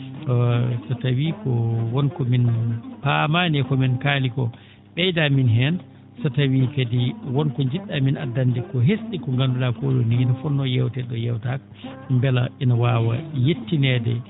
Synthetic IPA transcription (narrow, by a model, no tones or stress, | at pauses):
ɔsatawikɔwɔnkɔminpamaːnɛkɔminkaːlikɔ | ɓɛjdaminɦɛn | satawikadiwɔnkɔɲd͡ʒiɗːamina̰dːandɛkɔɦesɗikɔŋɡanduɗakɔɗɔ̰ninafɔnːɔjɛwtɛɗɔjɛwtak | mbɛla̰ɛnawaːwa̰jetːinɛdɛ̰